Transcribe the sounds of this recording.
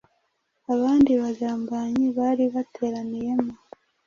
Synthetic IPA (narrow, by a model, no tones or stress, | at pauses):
aβaːndiβazaːmbaːɲiβaːɾiβatʰe̞ːɾanije̞mo